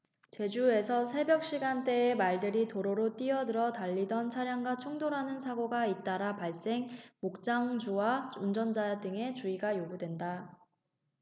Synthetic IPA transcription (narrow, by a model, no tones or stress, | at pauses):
t͡ɕe̞d͡ʑue̞sʰʌsʰe̞bjʌk̚ɕ͈iɡant͈e̞ːmaɭdɯɾitoɾoɾot͈iʌdɯɾʌtaʎːidʌnt͡ɕʰaɾjaŋɡwat͡ɕʰoŋdoɾanɯnsʰaɡoɡait̚t͈aɾapaɭs͈e̞ŋmok̚t͡ɕ͈aŋd͡ʑuwaund͡ʑʌnd͡ʑadɯŋe̞t͡ɕuiɡajoɡudwe̞nda